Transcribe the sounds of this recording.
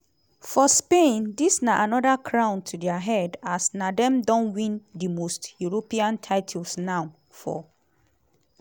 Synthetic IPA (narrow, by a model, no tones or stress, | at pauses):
fɔspẽndisnaʔanɔdakʰɹãʊ̃ntʰudɛaɦɛdasnadɛ̃mdɔ̃nwĩndimostjuɹopiãntʰaɪtʰulsnaʊ | fɔ̰